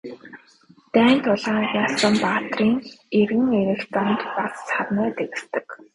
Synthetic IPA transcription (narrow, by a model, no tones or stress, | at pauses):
t̪æːn̥t̪ʰʊɮaːŋasə̆mpaːt̪riːŋerɣɘ̆ŋeɾɘ̆ɬt͡s̪amt̪pat͡ssχarnœːt̪eɣɘ̆st̪ɘ̆k